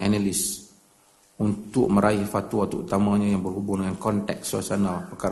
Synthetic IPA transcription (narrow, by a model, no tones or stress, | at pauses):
ʔanalis | unt̪ʊk̚mə̃ɾʔaihfat̪uwat̪ɔut̪amãɲãjaŋbərɦubuŋdəŋankɔnt̪ɛk̚sla̰sɔnalpəkaɾ